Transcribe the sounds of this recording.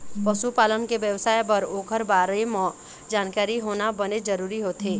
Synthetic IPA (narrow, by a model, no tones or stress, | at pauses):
pəsupaːlənkeʋjəʋsaːjbəɾoːkʰəɾbaːɾimɔ̃ | d͡ʒaːnkaːɾiɦoːnabɐned͡ʒəɾuːɾiɦoːt̪ʰeː